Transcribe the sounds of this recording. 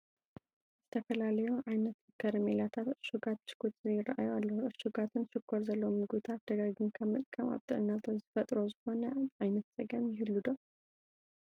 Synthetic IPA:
zɛt̪ʰəfəlaləjɛwʔajnət̪ɨkʰːəɾəmelat̪ʰat̪ʃuɡat̪t͡ʃkut̪ɨɪɾa̰ʔa̰jalːəhuɨʃuɡat̪ʰɨnʃɨkʰːoɾzəlːomɨɡut̪ʰad̪̥əɡaɡɨnkʰəmət̪ʼkʰʼəma̰bt̪ʼoɨnːalt̪ʰozifət̪ʼɾozɨho̞nəajnət̪sʼəɡəmjɪɦɨlːud̪əw

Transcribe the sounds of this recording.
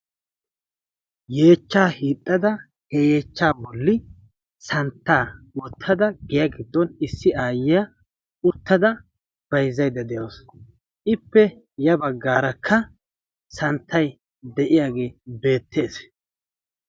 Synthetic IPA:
je̞ːt͡ʃːaːhiːt̪ʼːɐd̪ɐ | hɛje̞ːt͡ʃːaːbɔlːɪ | sɐnt̪ːaː | wɔt̪ʰːɐd̪ɐɡɛjɐɡɪd̪ːɔnɪsːɪaːjɪja | ʊt̪ːɐd̪ɐ | b̥ɐjzːɐjd̪ɐd̪ɛjoːs | ʔɪpːɛ | jɐbɐɡːaːɾɐkʰːɐ | sɐnt̪ʰːɐj | d̪ɛʔɪjaːɡe̞ːbe̞ːt̪ʰːe̞ːs

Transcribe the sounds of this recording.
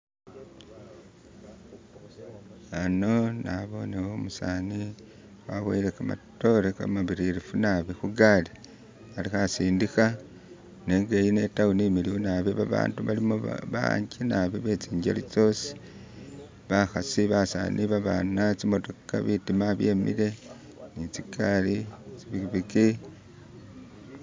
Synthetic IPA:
ano̞naβo̞newomusani | waβwḛilekama̰to̞leka̰maβiɾiɾifunaβixuɡali | alixasiːndixa | ne̞ːŋɡejine̞taunimiliwunaβeβaβa̰ːntuβalimuβa̰ɲɟinaβiβe̞t͡siːɲɟḛlit͡so̞si̥ | βaxasiβasa̰ːnʔiβaβa̰nat͡simo̞to̞ka̰βitimaβje̞̰ːmḭle̞ | nit͡sikalit͡siβiβiki

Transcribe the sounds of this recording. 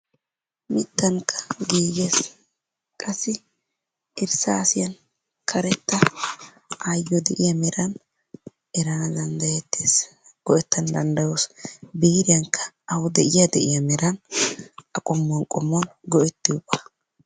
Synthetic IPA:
mɪt̪ːɐŋkʰːɐ̥ɡiːɡeːs | kʼɐsːɪ | ɪɾsɐːsɪjɐn | kʰɐɾɛt̪ːɐ | ʔajːɔd̪ɛʔɪjɐmɛɾɐn | ɛɾɐnɐd̪ɐnd̪ɐjɛt̪ːeːs | ɡ̥ɔʔɛt̪ːɐnd̪ɐnd̪ɐjosbiːɾɪjɐŋkʰːɐ̥ | ɐwʊd̪ɛʔɪjɐd̪ɛʔɪjɐmɛɾɐn | ɐkʼɔmːɔnkʼɔmːɔnɡɔɛt̪ːɪʊbɐ̥

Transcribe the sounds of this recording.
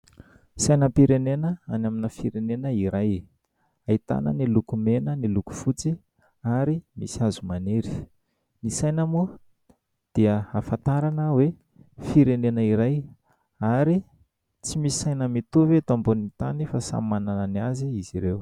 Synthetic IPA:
sajnəpiɾenenəanaminəfiɾenenəiɾaj | ait̪a̰nə̰nilukumenəniluku̥fut͡si | aɾimḭsiazumaneɾi̥ | nisajnəmu | d̪̥iəafat̪aɾanəwe | fiɾenenəiɾaj | aɾi | t͡simisi̥sajnəmit̪uvet̪ambunit̪a̰nifasa̰manananaziiziɾew

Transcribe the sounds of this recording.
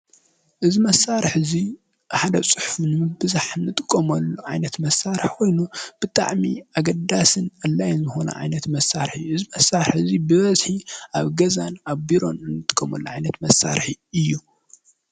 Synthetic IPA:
ʔɨzimɐsaɾħzi | ħad̪ɐt͡sʼɨħfunɨmɨbɨzaħɨnːɨt̪ʼɨkʼːɐmɐlːuʕajnɐt̪mɐsːaɾħkʰo̞jnub̥ɨt̪ʼa̰ʕmḭaɡɐd̪asɨnɐlːajnzɨxonɐ̰ʕa̰jnɐt̪mɐsːaɾħiʔɨzimɐsːaɾɨħɨzibɨβɐzħiaβɡɐzanaβbiɾo̞̰nɨnːɨt̪ʼɨ̥kʼːɐmɐlːuʕajnɐt̪mɐsːa̰ɾħiɨjːu

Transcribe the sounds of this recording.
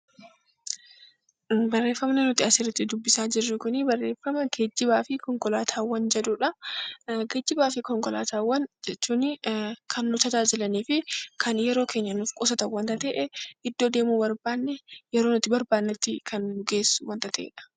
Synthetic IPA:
bɐrːe̞ːfːɐmnɛnʊt̪ɪɐsɪɾɪt̪ːɪd̪ʊbːɪsaːd͡ʒɪrːɪkʊnɪbɐrːe̞ːfːɐmɐɡed͡ʒːɪbaːfɪkɔŋkʼɔlaːt̪ʰaːwːɐnd͡ʒɛd̪ʊːᶑɐ | ɡed͡ʒːɪbaːfɪkɔŋkɔla̰ːt̪aːwːɐnd͡ʒɛt͡ʃːuːnːɪkʰɐnːʊt̪ɐd͡ʒ̪aːd͡ʒɪlɐniːfɪkʰɐnjɛɾo̞ːkʰe̞ːɲːɐnʊfkʼʊsɐt̪ɐwɐnt̪ɐt̪ɛːʔɛʔɪd̪ːo̞ːd̪eːmuːbɐɾbaːnːɛjɛɾo̞ːnʊt̪ɪbɐɾbaːnːɛt̪ːɪkʰɐnːʊɡeːsːʊwɐnt̪ɐt̪ɛʔḛːᶑɐ̥

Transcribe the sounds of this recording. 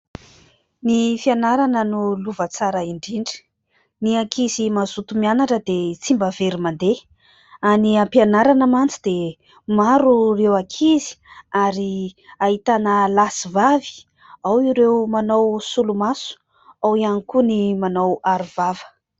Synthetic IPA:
nifianaɾanənuluvət͡saɾəiɳɖ͡ʐiɳɖ͡ʐə̥ | niakʰizimazut̪umianaʈ͡ʂəd̪et͡simbaveɾimand̪e | aniampianaɾanəmant͡sid̪e | maɾurewakʰizi̥aɾiaɦit̪anəlasivavi̥ | awiɾewmanowsulumasu̥ | awianikunimanowaɾuvavə̥

